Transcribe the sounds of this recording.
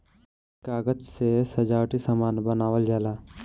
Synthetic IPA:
kaːɡəd͡ʒsesɐd͡ʒaːʈisəmaːnbənaːʋəld͡ʒaːlaː

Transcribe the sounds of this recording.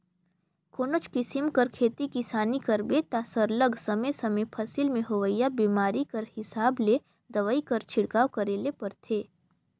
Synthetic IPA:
koːnot͡ʃkɪsɪmkɐɾkʰeːt̪ikisaːnikɐɾbet̪asəɾləɡsɐməsɐmepʰɐsilmẽɦoʋəjabiːmaːɾikɐɾhɪsaːble | d̪ɐʋəikɐɾt͡ʃʰɪɽkaːʋkɐɾeːlepɐɾt̪ʰeː

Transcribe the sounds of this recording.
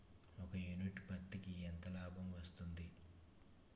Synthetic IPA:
ɔkɐjuniʈpɐkt̪ikiɛnt̪ɐlaːbʱɐmʋɐst̪und̪i

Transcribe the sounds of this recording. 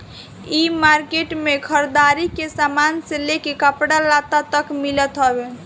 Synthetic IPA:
imaɾkeʈmekʰəɾd̪aɾikesamanselekekəpɽalat̪at̪əkmilət̪ɦəbe

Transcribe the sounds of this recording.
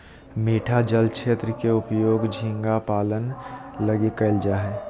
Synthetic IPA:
meːʈʰad͡ʒəlkt͡ʃʰeːt̪ɾəkeʊpjoːɡd͡ʒʱĩŋɡapaːlənlɐɡikəɪld͡ʒaɦɛː

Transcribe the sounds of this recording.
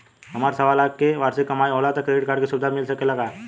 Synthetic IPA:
ɦɐmaːɾsɐʋaːlaːkkeʋaɾsekɐmaːjoːlat̪əkːɾeɖɪʈ̚kaːɾɖkisʊbd̪ʱamɪlsəkeləɡa

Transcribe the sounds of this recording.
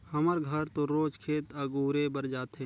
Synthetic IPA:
həməɾɡʱɐɾt̪oɾoːd͡ʒkʰeːt̪ɐɡuːɾebəɾd͡ʒaːt̪ɦẽ

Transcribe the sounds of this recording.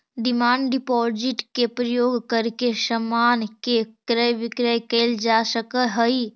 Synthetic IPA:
ɖɪmaːɳɖɖɪpɔːɾd͡ʒɪʈkepɾəjoːɡkəɾkeʃəmaːnkekɾəjʋɪkɾəjkeːld͡ʒaːsəkəɦəi

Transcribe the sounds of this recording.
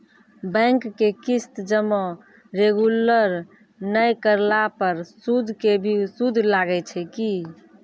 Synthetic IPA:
bə̃ŋkːekist̪d͡ʒəmɔ | ɾeɡuləɾ | nəjkəɾlapəɾsud̪ʱkebʱisud̪ʱlaɡɛt͡ʃʰɛki

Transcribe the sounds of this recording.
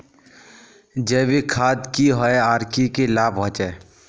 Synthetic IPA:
d͡ʒɛːbikʰaːd̪kiɦɔeaːɾkikelaːbɦɔ̃t͡ʃɛ

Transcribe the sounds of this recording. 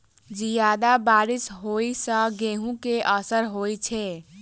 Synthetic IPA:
d͡ʒijad̪abaɾisɦoisə̃ɡeɦũkeʔəsəɾɦojt͡ʃʰɛ

